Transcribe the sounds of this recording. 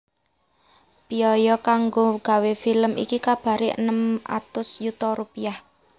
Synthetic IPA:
piɔjɔkaŋɡoɡ̥a̤wefiləmḭkikab̥a̤ɾiʔə̰nəma̰t̪ʊsjut̪ɔɾupiah

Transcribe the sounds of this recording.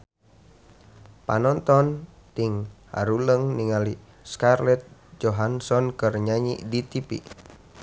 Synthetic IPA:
pa̰nɔnt̪ɔn | t̪iŋha̰ɾuləŋniŋali | skarlɛt̪̚d͡ʒɔɦansɔnkərɲaɲḭdit̪ipḭ

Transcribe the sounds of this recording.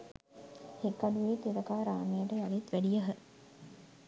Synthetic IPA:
hekːaɖuʋeːt̪et̪ɐkaːɾaːmejəʈəjalit̪ʋæɖijəɦə

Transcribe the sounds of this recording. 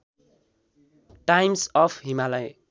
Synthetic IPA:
ʈajmsʌpʰɦimalaj

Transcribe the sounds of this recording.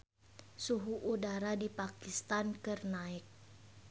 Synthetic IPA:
suɦuʔudaɾadipakist̪ankɨrnaɪk̚

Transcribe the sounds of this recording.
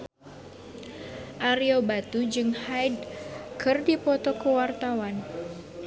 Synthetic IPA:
ʔaɾiobat̪ud͡ʒɨŋhajdkʰɨrdipɔt̪ɔkuwart̪awan

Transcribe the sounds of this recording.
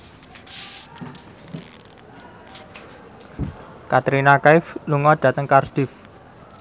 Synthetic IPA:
kat̪ɾinakaɪfluŋɔɖ̥ä̤t̪əŋkard̪̥ɪf

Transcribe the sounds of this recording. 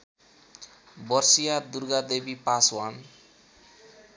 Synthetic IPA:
bʌrsijad̪uɾɡad̪ebipaswan

